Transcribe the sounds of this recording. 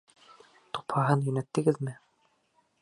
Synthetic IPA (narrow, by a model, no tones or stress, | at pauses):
t̪uphɑɦɤnjɵ̆næt̪ːɘ̆ɡɘðmɘ